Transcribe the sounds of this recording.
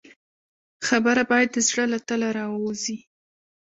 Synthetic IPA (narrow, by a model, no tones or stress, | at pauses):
xabəɾabɑjad̪̚ːəzɽəlat̪əlaɾɑwwozi